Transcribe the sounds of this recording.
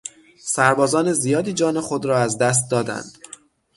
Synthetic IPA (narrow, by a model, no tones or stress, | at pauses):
sæɾbɒːzɒːne̞zijɒːd̪iːd͡ʒɒːne̞xo̞d̪ɾɒːæzd̪æs̬t̪̚d̪ɒːd̪æ̰nd̪̥